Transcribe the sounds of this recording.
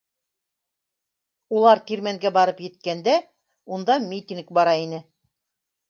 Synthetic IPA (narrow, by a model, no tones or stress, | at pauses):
ulˠɑɾt̪iɾmæŋɡæbɑɾɤpjɘ̆t̪̚kænd̪æ | und̪ɑmʲit̪ʲiŋk̚bɑɾɑinɘ